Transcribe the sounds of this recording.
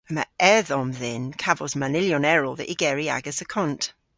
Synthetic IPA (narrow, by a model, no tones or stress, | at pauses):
əma̰ɛðɔmðɪnkʰavɔzmanɪljɔnɛɹɔðə̰ʔiɡ̥ɛɹia̰ɡəsəkʰɔnt